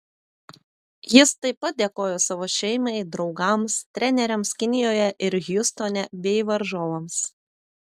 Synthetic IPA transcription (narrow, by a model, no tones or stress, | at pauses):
jɪst̪ɐɪpɐt̪̚d̪ʲeːkoːjoːsɑːʋoːʃʲɛɪmɐɪd̪ɾɒʊɡɐmst̪ʲɾʲɛnʲɛɾʲɛmskʲɪnʲɪjoːjɛʔɪɾɣjʊst̪onʲɛbʲɛɪʋɐɾʒoːʋoms